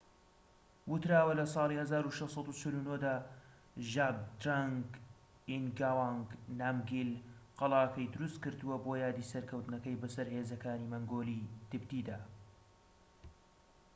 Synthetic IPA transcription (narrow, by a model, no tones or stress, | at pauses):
wʊt̪ɾaːwɐlɐsˤɑːlˠiːhɐzaːɾuʃɛwsˤɑd̪ut͡ʃɪlunod̪aː | ʒaɡ̚d̪ɾaŋɡ | inɡawaŋɡnaːmɡilqɑlˠaːkɐjd̪ʊɾust̪kɨɾd̪ɨwɐboːjaːd̪iːsɐɾkʰɐwt̪nɐkɐjbɐsɐɾheːzɐkaːnimɐŋɡoːlit̪ɨbt̪iːd̪aː